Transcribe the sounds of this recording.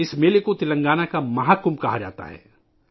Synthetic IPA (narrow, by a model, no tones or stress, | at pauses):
ɪsmeːlekot̪ɪlɐ̃ŋɡaːnakamɐɦaːkʊmkɐɦad͡ʒa̰ːt̪a̰ɦɛ̰ː